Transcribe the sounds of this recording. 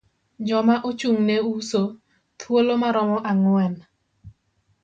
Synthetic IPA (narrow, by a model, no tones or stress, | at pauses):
d͡ʒɔmaʔot͡ʃuŋneuso | t̪ʰwolomaɾɔmɔʔaŋwɛn